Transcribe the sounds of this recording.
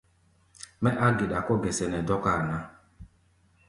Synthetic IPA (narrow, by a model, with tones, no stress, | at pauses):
mɛ˦ʔa˦ɡɪ˨ɗa˨kɔ˦ɡɛ˨sɛ˨nɛ˨dɔ˦ka˦˨na˦